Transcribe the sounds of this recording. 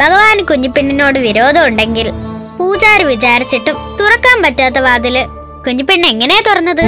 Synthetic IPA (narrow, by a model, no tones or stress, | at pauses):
bʱɐɣɐʋaːnkuɲːupːiɳːino̞ːɽɨʋiɾo̞ːd̪ʱɐmuɳɖe̞ŋɡilpuːt͡ɕaːɾɨʋit͡ɕaːɾit͡ɕːiʈːumt̪urɐkːaːmpɐtːaːt̪̬ːɐʋaːd̪ilɨ | kuɲːupːiɳːe̞ŋːɐneːt̪urɐnːɐðɨ